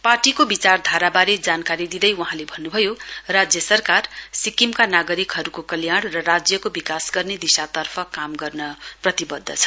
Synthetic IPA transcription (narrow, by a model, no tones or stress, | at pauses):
parʈikobit͡sard̪ʱaɾabaɾed͡zankaɾid̪id̪ʌjwʌɦãlebʱʌnːubʱʌjorad͡zjʌsʌrkarsikimkanaɡʌɾikɦʌɾukokʌljaɽ̃rʌɾad͡zjʌkobikasɡʌrned̪isat̪ʌrpʰʌkamɡʌrnʌprʌt̪ibʌd̪ʱːʌ̰t͡sʰʌ̥